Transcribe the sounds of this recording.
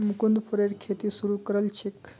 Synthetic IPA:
mkund̪pʰəɾeɾkʰet̪isuɾukəɾəlt͡ʃʰek

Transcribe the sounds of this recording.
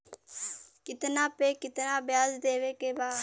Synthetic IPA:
kɪt̪nãːpeːkɪt̪nãːbjaːzd̪eːʋeːkeːbaː

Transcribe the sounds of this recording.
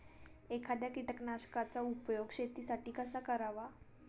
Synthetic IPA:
ekʰad̪jakiʈəknaɕkat͡saupjoɡɕet̪isaʈiːkəsakəɾaʋa

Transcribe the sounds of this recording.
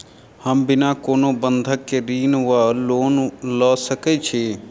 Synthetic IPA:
həmbɪnaːkoːnoːbənd̪ʱəkːeɾiːnʋaloːnləːsəket͡ʃʰeː

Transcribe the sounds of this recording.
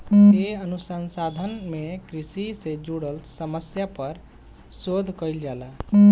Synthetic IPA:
eənusənsad̪ʱənmekɾisised͡ʒuɽəlsəməsjapəɾ | sod̪ʱkəjld͡ʒala

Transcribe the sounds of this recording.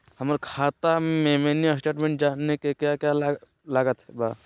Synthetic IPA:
həməɾkʰat̪amemeniasʈeʈmẽɳʈ̚d͡ʒanːekekjakjala | laɡət̪ɛba

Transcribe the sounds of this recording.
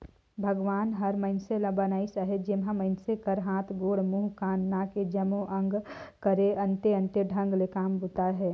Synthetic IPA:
bʱɐɡʋaːnɦɐɾmɐɪnselɐ̃banaːisaɦet̪d͡ʒɪmɦãmɐɪnsekɐɾɦãːt̪ʰɡoːɽmuːɦkaːnːaːked͡ʒɐmõʔɐ̃ŋɡkəɾeɐ̃nt̪eɐ̃nt̪eɖʱɐ̃ŋɡlekaːmbut̪aɦɛː

